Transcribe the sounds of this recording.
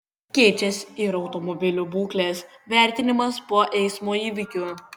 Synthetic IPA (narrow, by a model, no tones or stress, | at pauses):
kʲɛːt͡ʃʲɛsɪɾɒʊt̪ɔmɔbʲɪlʲʊbuːklʲeːs | ʋʲæˑɾʲt̪ʲɪnʲɪmɐspoɔʔɛɪsmoːiːʋʲɪkʲu